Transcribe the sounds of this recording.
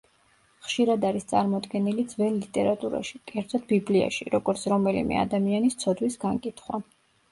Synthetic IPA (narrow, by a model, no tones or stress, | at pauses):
χʃiɾad̪aɾist̪sʼaɾmɔd̪ɡɛnilid̪zvɛnlit̪ʼɛɾat̪ʼuɾa̰ʃi̥kʼɛɾt̪ʰɔd̪̚biblia̰ʃḭɾɔɡɔɾt̪sʰɾɔmɛlḭmɛ̰a̰d̪amianist̪sʰɔd̪wisɡaŋkʼit̪ʰχwa